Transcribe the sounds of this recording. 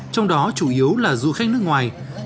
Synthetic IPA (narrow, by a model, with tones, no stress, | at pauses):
t͡ɕɔ˧wŋ͡mɗɔ˨˦t͡ɕu˧˩ʔi˨˦əwlaː˨˩zu˧˨xa˦˥k̚nɨ˦˥əkŋwaː˨˩j